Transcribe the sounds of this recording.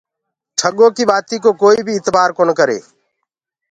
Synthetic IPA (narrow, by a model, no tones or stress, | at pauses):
ʈʰəɠõːkiːɓaːt̪iːkoːkoːiːbʱiːɪt̪baːɾkoːnkəɾḛː